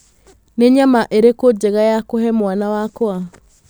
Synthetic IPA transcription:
neɲamaʔeɾekod͡ʒeɣajakohɛmwanawakoa

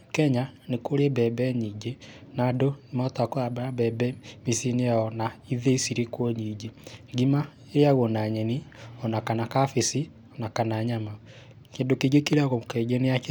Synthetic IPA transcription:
kɛɲanekoɾebɛbɛɲiːɲɟenadonmatakoɾabaɾabɛbɛmisineaɔnaiðeisiɾekwoɲiːɟeŋɡima | eɾjaɣonaɲɛniɔnakanakafesi | ɔnakanaːɲama | kendokeɡekiɾaɣokɛɡeneake

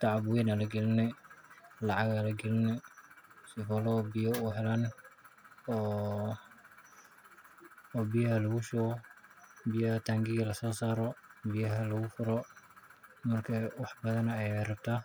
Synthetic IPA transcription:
t̪ʰɑʕɑbʊɛnɐlɐɡɛlɪnɛ | lɑʕɑɣalɐɡɛlɪnɛ | sɪfɔlɔbɪjɔuːɦɛlaːn | ɔː | bijɐɦɐlɐɣʊʃɔɣɔbɪjɐɐt̪ʰaːŋɡɪɣɐlɐsɔːsaːɾɔbijɐɦɐlɐɣʊfʊɾɔ | mɐrkʰɐwɑħbɐðɐnɛjɛrɐb̥̚t̪ʰaː

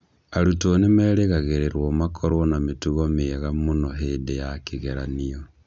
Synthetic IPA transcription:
aɾutoːnemɛːɾeɣaɣeɾeɾwɔmakʰoɾwɔnametuɣomeɣamonɔɦeːdejakiɣeɾaniɔ

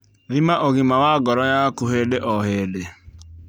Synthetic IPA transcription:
ðimaʔoɣimawaɡɔɾɔjakuɦedeʔɔɦede

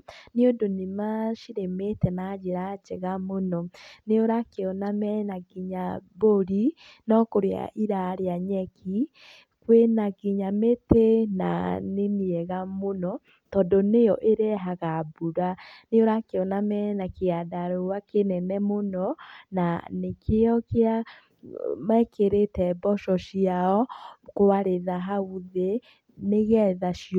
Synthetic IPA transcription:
neondonemaʃiɾemetɛnad͡ʒeɾat͡ʃeɣamonɔneoɾakeɔnamɛnaɡiɲaboɾi | nɔkoɾea̰ʔiɾaɾeaɲɛki | kwenaɡiɲametena̰nemiɛɣamonɔ | tɔdɔnejɔʔeɾeɛɦaɣabuɾanejɔɾakeɔnamɛnakeadaɾowakenɛnɛmonɔna̰nekʰeɔkea | maɛkeɾetɛbɔʃɔʃiaɔkowaɾeðaɦauðe | neɣɛðaʃi

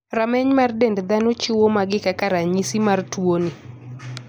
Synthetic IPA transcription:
ɾamɛɲmardɛndd̪anot͡ʃʊwomaɡɪkakaɾaɲisimartwoni

